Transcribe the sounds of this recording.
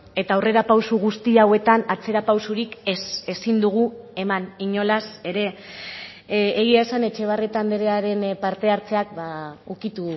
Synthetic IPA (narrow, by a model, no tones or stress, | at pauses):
e̞t̪aːwre̞ɾapawsuɣ̞ust̪iawe̞t̪anat͡se̞ɾapawsuɾikese̞sind̪uɣ̞ue̞maniɲo̞lase̞ɾe̞ | ɣiaesane̞t͡ʃe̞β̞aret̪and̪eɾe̞aɾe̞npaɾt̪e̞aɾt͡se̞ak̚baukit̪u